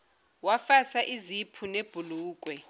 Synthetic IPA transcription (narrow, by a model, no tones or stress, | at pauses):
wafasaʔizipʰuneb̥ʱuluːk̬ʼwɛ